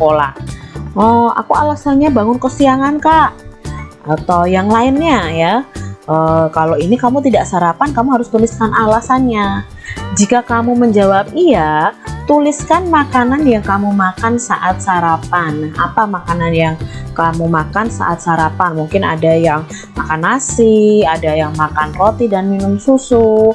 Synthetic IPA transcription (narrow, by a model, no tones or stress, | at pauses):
əkola̰ | ɔa̰kualasanɲabaŋʊnkəsiaŋankaʔ | at̪ajaŋlaɪnɲajaʔəkaloinikamut̪̬idaʔsaɾapankamuɦaɾʊst̪ulɪskanalasanɲa | d͡ʒikakamuməɲd͡ʒawap̚iat̪ulɪskanmakananjaŋkamumakansaʔat̪̚saɾapana̰pamakananjaŋkamumakansa̰ʔa̰t̪̚saɾapanmuŋkɪna̰dajaŋ | makanasɪadajaŋmakankot̪idanminʊmsusu